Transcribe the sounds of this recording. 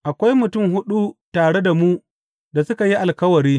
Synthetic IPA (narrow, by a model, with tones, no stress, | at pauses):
ʔa˨kʷa˦jmʊ˨tʊ˦˨mɦʊ˦ɗu˦taː˨ɽe˦da˨mu˦ | da˨sʊ˦ka˨ji˦ʔa˨lkɐ˦wɐ˨ɾiː˦